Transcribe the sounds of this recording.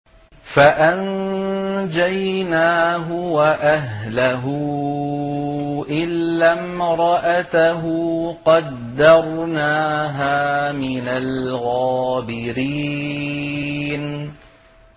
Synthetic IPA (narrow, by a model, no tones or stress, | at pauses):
faʔan | d͡ʒajnaːɦʊwaʔaɦlaɦʊ | ʔɪlːamɾˤɑʔat̪aɦʊqɑd̪ːɑɾˤnaːɦaːmɪnalɣaːbɪɾiː | n